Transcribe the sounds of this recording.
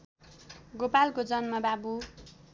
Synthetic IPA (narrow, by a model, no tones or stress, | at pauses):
ɡopalkod͡zʌnmʌbabu